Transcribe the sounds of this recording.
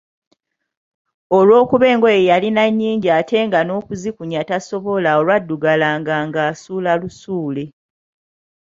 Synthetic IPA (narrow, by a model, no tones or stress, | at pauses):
o̞lwo̞ːkuβe̞ːŋɡoejjalinaɲːiːɲɟiate̞ŋɡano̞ːkuzikuɲataso̞βo̞lao̞lwadːuɡalaːŋɡaŋɡaːsuːlalusuːle̞